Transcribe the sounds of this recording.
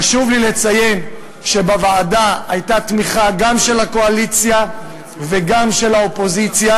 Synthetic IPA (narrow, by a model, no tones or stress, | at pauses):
aʃuvlile̞t͡saje̞n | ʃebavaːdaajtat̪miχaɡamʃe̞lako̞alit͡sja | veɡamʃe̞laopo̞zit͡sja